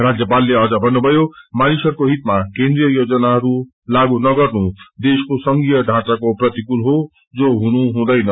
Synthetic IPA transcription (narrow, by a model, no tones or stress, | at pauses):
rad͡zjʌpalːeʌd͡zʌbʱʌnːubʱʌjomanisʌɾkoɦit̪makẽnd̪ɾijʌjod͡zʌnaɦʌɾu | laɡunʌɡʌɾnud̪eskosʌŋɡijʌɖʱãt͡sakoprʌt̪ikulɦo | d͡zoɦunuɦũd̪ʌjnʌ